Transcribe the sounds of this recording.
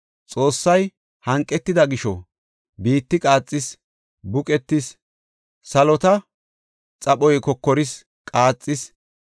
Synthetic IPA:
t͡sʼo̞ːsːɐj | hɐŋkʼːɛt̪ːɪd̪ɐɡɪʃɔ̰ | biːt̪ːɪkʼaːt͡sʼːɪs | bʊkʼɛt̪ːɪs | sɐlɔt̪ɐ | t͡sʼɐɓɔjkɔkːɔɾɪs | kʼaːt͡sʼːɪs

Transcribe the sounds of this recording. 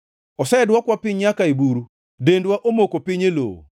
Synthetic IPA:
ɔsɛɛdwakwapɪɲjakaebuɾu | dendwaʔomokopiɲelo̰

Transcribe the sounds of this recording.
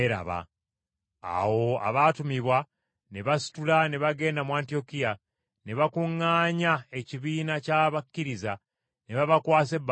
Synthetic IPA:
eɾa̰βa̰ | a̰wo̞a̰βatumiβwa | neβasi̥tulane̞βaɡe̞ːndamuantijo̞kija | ne̞βakuŋːaːɲae̞ciβiːnacaːβakːiɾiza | neβaβakwaːse̞b

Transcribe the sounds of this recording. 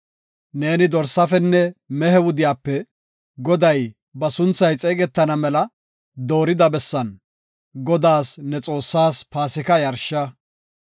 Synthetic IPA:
ne̞ːnɪd̪ɔɾsːɐfɛnːɛmɛhɛwʊd̪ɪjaːpːɛ | ɡɔd̪ɐj | bɐsʊnt͡sːɐjt͡sʼeːɡɛt̪ːɐnɐmɛlɐ | d̪o̞ːɾɪd̪ɐbɛsːɐn | ɡɔd̪aːsnɛt͡sʼo̞ːsːaːspaːsɪkɐjɐɾʃɐ

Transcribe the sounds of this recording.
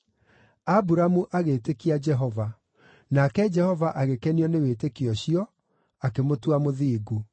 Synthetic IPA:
abuɾamuʔaɣetekiad͡ʒɛɦɔva | nakɛd͡ʒɛhɔvaʔaɣekɛniɔnewetekiɔɕiɔ | akemotwamoðiːɡu

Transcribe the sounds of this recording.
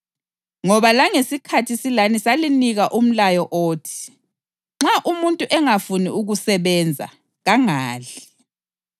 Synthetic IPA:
ŋɔβalaŋesikʰatʰisilanisaliniɣaʔum̩lajɔʔoːtʰi̥ | ŋ͡ǁaʔumuntʼuʔɛŋafunḭʔuɣusɛβɛnd͡zʱa̰ | ɣaŋaːɮi

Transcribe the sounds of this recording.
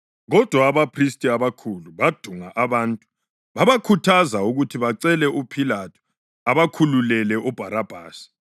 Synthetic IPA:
ɣɔd̥ʱwaːβapʰristʼiaβakʰuluβad̥ʱuŋaʔaβaːntʼu̥ | βaβakʰutʰazauɣutʰiβaǀɛlɛʔupʰilatʰu̥ | aβakʰululɛlɛʔɔb̥ʱaɾab̥ʱaːsi̥

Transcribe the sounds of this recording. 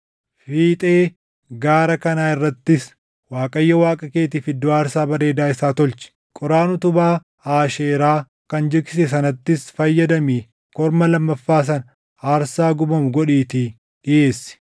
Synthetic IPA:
fiːt̪ʼe̞ː | ɡaːɾɐkɐnaːɪrːɐt̪ːɪs | waːkʼɐjːɐwaːkʼɐke̞ːt̪ɪfɪd̪ːoːaːɾsaːbɐɾeːd̪aːɪsaːt̪ɔlt͡ʃɪ̥ | kʼɔɾaːnʊt̪ʊbaː | aːʃeːɾaː | kɐnd͡ʒɪkɪsɛsɐnɐt̪ːɪsfɐjːɐd̪ɐmiː | kɔɾmɐlɐmːɐfːaːs̬ɐn | aːɾsaːɡʊbɐmʊɡɔᶑiːt̪i | ɪʔe̞ːsːɪ̥

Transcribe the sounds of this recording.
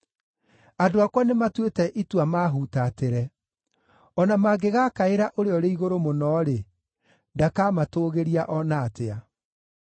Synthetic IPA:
adoakwanematwetɛʔitwamaːɦutateɾɛ | ɔnamaɡeɣakaeɾaʔoɾeɔɾeiɣoɾomonɔːɾe | dakamatoːɣeɾiaʔɔnaːtea

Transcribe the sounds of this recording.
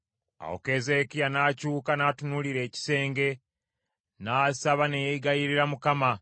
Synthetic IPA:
a̰wo̰ke̞ze̞ːkijanaːcuːkanaːtunuliɾe̞ːci̥se̞ːŋɡe̞ | naːsaβanejeiɡajiɾiɾamukama

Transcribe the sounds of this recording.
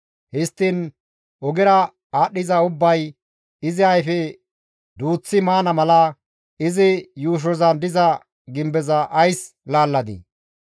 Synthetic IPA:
hɪst̪ːɪn | ʔɔɡɛɾɐ | aːɗɪzɐʊbːɐj | ɪzɪɐjfɛ | d̪uːt͡sːɪmaːnɐmɐlɐ | ɪzɪjuːʃ̬ɔzɐnd̪ɪzɐ | ɡɪmbɛzɐʔɐjs | laːlːɐd̪ɪ̰

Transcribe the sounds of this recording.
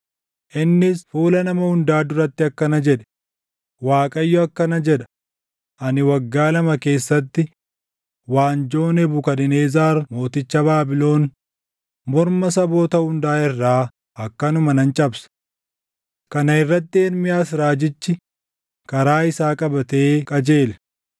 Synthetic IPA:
ʔɪnːɪsfuːlɐnɐmɐhʊnd̪aːd̪ʊɾɐt̪ːɪɐkːɐnɐd͡ʒɛᶑɛ̥ | waːkʼɐjːɔɐkːɐnɐd͡ʒɛᶑɐ̥ | ʔɐnɪwɐɡːaːlɐmɐke̞ːsːɐt̪ːɪ | waːnd͡ʒo̞ːnɛbʊkɐnɪneːzaːɾmo̞ːt̪ɪt͡ʃːɐbaːbɪlo̞ːn | mɔɾmɐsɐbo̞ːt̪ɐhʊnd̪aːɪrːaː | ɐkːɐnʊmɐnɐnt͡ʃʼɐbsɐ̥ | kɐnɐɪrːɐt̪ːɪɛɾmɪjaːs̬ɾaːd͡ʒɪt͡ʃːɪ | kɐɾaːɪsaːkʼɐbɐt̪e̞ːkʼɐd͡ʒe̞ːl

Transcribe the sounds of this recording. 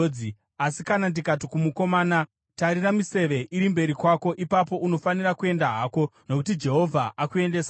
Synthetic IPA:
i | asikanandikatikumuko̞maːna | taɾiramise̞ʋe̞ʔiɾimbe̞ɾikwako̞ʔipapo̞ʔuno̞fanirakue̞ndaɦaːko̞no̞kut̬id͡ʒe̞ɦo̞vʱaʔakue̞nde̞ːsa

